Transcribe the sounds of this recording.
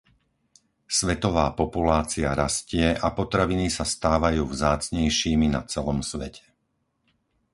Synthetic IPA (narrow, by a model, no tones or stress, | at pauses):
sʋɛt̪ɔʋaːpɔpulaːt͡siaɾascɪɛʔapɔt̪ɾaʋinisast̪aːʋajuːvzaːt͡sɲɛjʃiːmina̰t͡sɛlɔmsʋɛcʰɛ̥